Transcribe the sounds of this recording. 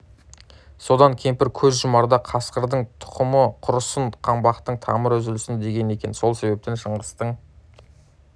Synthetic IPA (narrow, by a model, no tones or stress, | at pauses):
so̞d̪ɑŋkʲʰe̞mpɪɾkʲʰɵzʒʊmɑɾd̪ɑqʰɑsqəɾd̪əɴt̪ʰʊ̥qəməqʰʊɾəsəɴqʰɑmbɑqt̪əɴt̪ʰɑməɾʏzɪlɪsɪnd̪e̞ɡʲe̞ne̞kʲe̞nso̞lˠse̞βe̞p̚t̪enʃəɴʁəst̪əɴ